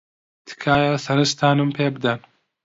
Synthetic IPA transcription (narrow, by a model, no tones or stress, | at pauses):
t̪ʰɨ̥kʰaːjɐsɐnɨst̪ʰaːnɨmpʰeːbɨd̪ɐn